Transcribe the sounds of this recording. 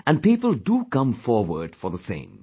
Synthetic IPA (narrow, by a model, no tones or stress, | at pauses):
æ̃nɖ̚piːpəlˠɖuːkʌ̃mfɔːɹwəɖ̥fɔɾðəsḛ̃ɪ̃m